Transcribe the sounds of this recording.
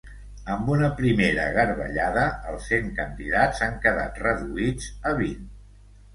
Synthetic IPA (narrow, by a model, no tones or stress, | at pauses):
əmbunəpɾimeɾə̰ɣəɾβə̰ʎaðəəlˠsːeŋkənd̪iðazaŋkəða̰t̪rəðuid͡zəβin